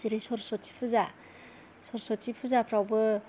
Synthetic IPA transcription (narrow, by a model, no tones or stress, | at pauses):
siɾesɔɾsɔtʰi̥pʰuza | sɔɾsɔtʰipʰuzapʰɾawbɯ